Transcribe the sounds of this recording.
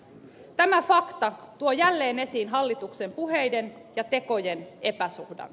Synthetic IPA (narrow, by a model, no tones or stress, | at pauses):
t̪æmæfɑkt̪ɑt̪uojælːeːnesiːnɦɑlːit̪ukse̞mpuɦejde̞njɑt̪e̞ko̞jene̞pæsuhdɑ̰n